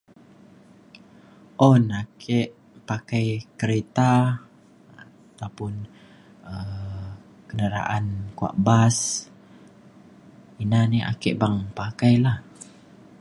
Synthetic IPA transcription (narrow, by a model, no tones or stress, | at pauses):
ʔɔnakʰɛʔ | pakajkəɾet̪a | a | t̪awpʊn | ə | kənəɾa̰ʔankua̰ʔbas | inania̰kɛʔbaŋpakajlah